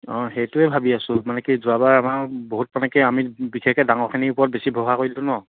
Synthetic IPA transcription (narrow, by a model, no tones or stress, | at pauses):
ɔ̃xɛjtʊɛbʱabiasʊ̃manɛkizʊabaɹamaɹboɦut̚manɛkɛamibikʰɛkɛdaŋɔɹkʰiniʊpɔɹɔt̚besibʱɔɦakoɹilʊnɔ